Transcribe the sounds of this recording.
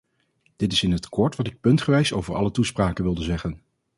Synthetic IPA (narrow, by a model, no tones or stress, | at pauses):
d̥ɪtɪsɪnətkɔɹtʋɑtɪk̚pɵntχəʋɛjso̰wvəɹɑ̰lətuspraːkənʋɪlˠdəzɛχən